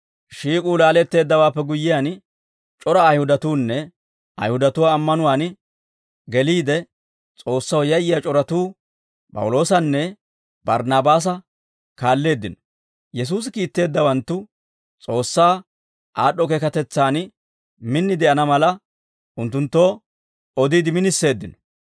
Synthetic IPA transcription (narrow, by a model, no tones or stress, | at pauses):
ʃiːkʼuːlaːlɛt̪ːe̞ːd̪ːɐwaːpːɛɡʊjːɪjaːn | t͡ʃʼɔɾɐːjhʊd̪ɐt̪uːnːɛ | ɐ̰jhʊd̪ɐt̪ʊwaːmːɐnʊwaːn | ɡɛliːd̪ɛ | t͡sʼo̞ːsːɐwjɐjɪjat͡ʃʼɔɾɐt̪uː | pʼɐ̰wʊlo̞ːsɐnːɛ | bɐɾnaːbaːs̬ɐ | kaːlːe̞ːd̪ːɪnɔ̥ | jɛs̬uːs̬ɪkiːt̪ːe̞ːd̪ːɐwɐnt̪ːʊ | t͡sʼo̞ːsːaː | ʔaːɗːɔkeːkɐt̪ɛt͡sːaːn | mɪnːɪd̪ɛʔɐnɐmɐlɐ | ʔʊnt̪ːʊnt̪ːo̞ː | ɔd̪iːd̪ɪmɪnɪsːe̞ːd̪ːɪnɔ̥